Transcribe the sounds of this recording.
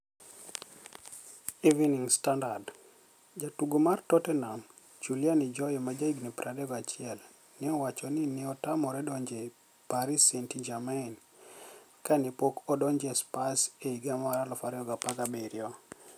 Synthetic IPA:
iviniŋstandard | d͡ʒatuɡomartɔtɛnam | t͡ʃuljanɪd͡ʒɔjɔmad͡ʒaiɡnipɾadɛɡat͡ʃɪɛl | nɪɔwat͡ʃɔnɪnɪɔtamɔɾɛdɔɲd͡ʒe | paɾisentid͡ʒamain | kanipokɔdɔɲd͡ʒespaseiɡamaɾalɔfaɾɛɔɡapaɡabeɾjɔ

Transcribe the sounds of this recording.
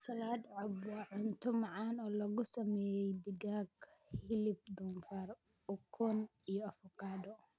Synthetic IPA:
sɐlaːd̪ʕʊbɐʕʊnt̪ʰʊmɑʕɑːnɔːlɔɣʊsɐmɛːjɛjd̪ɪɡaːɡhɪlɪb̚d̪ʊnfar | ʊkʰɔnijɔɐfɔkʰaːd̪ɔ

